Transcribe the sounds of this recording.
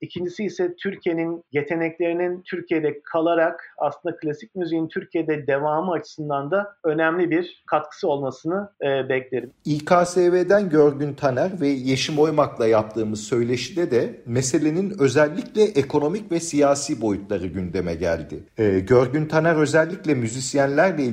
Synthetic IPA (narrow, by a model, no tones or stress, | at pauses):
icʰind͡ʒisiːsɛt̪ʰyɾcʰije̞ninje̞t̪ʰe̞nɛclʲe̞ɾinint̪ʰyɾcije̞d̪ɛkʰalˠaɾaka̰slˠɯnd̪aklʲasic̚ʲmyzejint̪ʰyɾcʰijed̪ɛd̪e̞vaːmɯat͡ʃʰɯ̥sɯnd̪and̪aø̞nɛmlʲibiɾkʰat̪̚kʰɯ̥sɯo̞lˠmasɯnɯːbɛclʲe̞ɾimiːkʰaːseːveːd̪ænɟøɾɟynt̪ʰanæɾvɛjeʃimo̞jmaklˠajap̚t̪ʰɯːmɯzsø̞jlʲe̞ʃid̪ɛd̪ɛmese̞lʲe̞ninø̞zælʲːiclʲɛʔekʰo̞no̞micvɛsijaːsiːbo̞jut̪lˠaɾɯɟynd̪e̞mɛɟæ̰lʲd̪ɪ | ɟøɾɟynt̪ʰanæɾø̞zɛlʲːiclʲɛmyzisijænlʲæɾlʲɛi